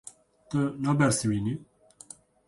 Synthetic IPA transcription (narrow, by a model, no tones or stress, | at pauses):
t̪ənabɛɾsiwini